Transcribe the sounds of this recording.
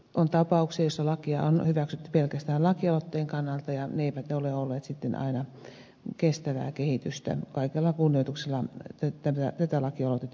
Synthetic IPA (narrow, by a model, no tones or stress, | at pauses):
ʔont̪ɑpɑukseːjosːɑlɑkiɑ̰o̰nhyʋæksyt̪ːy̥pelkæst̪æːllɑkiɑlot̪ːeːŋkɑnːɑlt̪ɑjɑneeipæt̪neoleolːeːt̪sit̪ːenɑ̰inɑ | kest̪æʋæ̰ːkehit̪yst̪æ̰kɑikelːɑkunːioit̪ukselːɑt̪æt̪æmt̪æt̪æt̪ælɑkiɑlot̪et̪ː